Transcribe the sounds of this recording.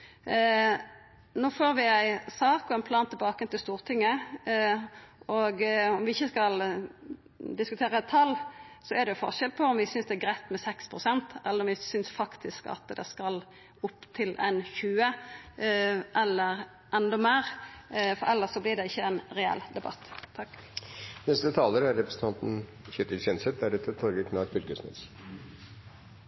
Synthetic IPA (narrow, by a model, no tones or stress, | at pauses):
noːfoːɾʋɪæɪsɑːkɔɛɪnpʰlɑːnt̪ʰɪlbɑːkənt̪ʰɪlst̪uːʁt̪ʰɪŋːə | ɔɡɔmʋɪɪçːəskɑl | d̪ɪskʉt̪ʰeːʁət̪ʰɑlsɔɛʁd̪ɛjʊfɔ̰ʁʂɛlpʰɔɔmʋɪsʏnsd̪ɛæɡʁæɪt̪mɛsɛkspʰɾʊsɛnt̪ɛlːəɾɔmʋɪsʏnsfɑkt̪ʰɪskɑ̰t̪d̪ɛ̰skɑl | ʊpt̪ʰɪlʔɛ̰nçʉːə | ʔɛlːəɾ | ʔɛnd̪ɔmeːɾfɔɾɛlːəʂɔblɪɖ̪ɛɪçːəɛnɾɛɛ̰ld̪ɛbɑ̰t̪ʰːɑkː | nɛst̪ət̪ʰɑːləɾæɾɾɛpɾɛsə̥t̪ɑnt̪n̩ | çʏt̪əɾçɛnsɛt̪̚d̪æɾʉt̪ʰət̪ʰɔɾɡəkʰnɑk̚bʏɾkəsnɛ̰s